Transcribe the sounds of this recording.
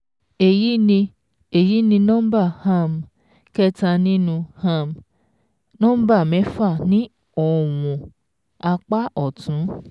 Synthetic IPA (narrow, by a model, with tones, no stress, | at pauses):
e˨ji˦nĩ˧ | e˨ji˨˦nĩ˧nɔ̃˦ba˦˨ha˦˨m˨ | kɛ˦ta˧nĩ˦nũ˧ha˦˨m | nɔ̃˦ba˦˨mɛ̃˨˦fa˦˨nĩ˦ | ɔ˧˨w̃ɔ̃˨ | a˧k͡pa˦ɔ˨tũ˨˦